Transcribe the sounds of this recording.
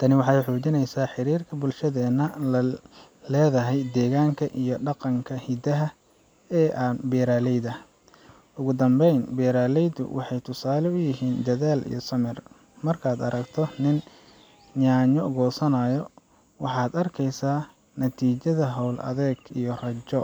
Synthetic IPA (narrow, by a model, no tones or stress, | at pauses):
t̪ʰɐnɪwɑħɑjħɔːt͡ʃɪnɛjsaːħɪɾiːrkʰɐbʊlʃɐðɛːnɐ | lɛːðɐɦɛjd̪ɛːɣaːŋkʰɐʔijɞɖɑqɑŋkʰɐhɪd̪ɐɦɐ | ɛːʔanbɛːɾaːlɛjd̪ɐ | ʊɣʊd̪ɐmbɛjnbɛːɾaːlɛjd̪ʊ̰wʔɑħɑjt̪ʰʊsaːlɛʊjɪɦiːnd̪ɐðaːlḭjɔsɐmɛr | mɐrkʰaːd̪ɐɾɐkt̪ʰɔnɪn | ɲaːɲɔɣɔːsɐnaːjɔ | wɑħɑːd̪ɐrkʰɛjsaː | nɐt̪ʰiːt͡ʃɐðɐɦɔwlʔɐ̰ðɛːɡḭjɔrɐt͡ʃɔ